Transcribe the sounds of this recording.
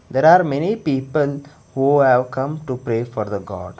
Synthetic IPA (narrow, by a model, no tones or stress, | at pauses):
d̪eːɾaːɾmɛnipiːpəl | huːhæʋkʰʌ̃mʈupɾeːfɔːɾd̪əɡɔ̰ːɖ